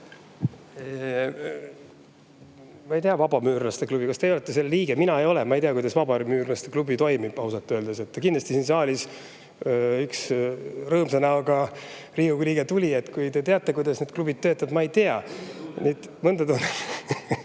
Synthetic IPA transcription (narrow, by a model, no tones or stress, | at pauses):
e | mɑejt̪eɑvɑbɑmyːrɑst̪e̞klub̥ikɑst̪ejolet̪ˑːese̞lːliːɡ̥eminɑejo̞lɛmɑejt̪eɑkujd̪ɑsvɑbɑɾimyːrlɑst̪eklubit̪o̞jmib̥ɑwsɑt̪ːˑøːld̪eset̪ːkind̪lɑst̪isiːnsɑːlʲis | yksrɤːmsɑnɑoɡɑ | riːukliːɡet̪ulʲie̞t̪kujt̪e̞t̪e̞ɑt̪ːˑe̞kujd̪ɑsned̪̥klub̥id̪̥̚t̪ːø̞ːt̪ːˑɑd̪mɑejt̪eɑnit̪ | mɤnd̪ɑd̪on